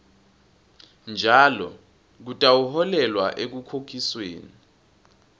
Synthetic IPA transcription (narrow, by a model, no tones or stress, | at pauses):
nd͡ʒʱaːlɔ̰ | k̬utʼawuhɔlɛlwaʔek̬ukʰokʰiswḛːni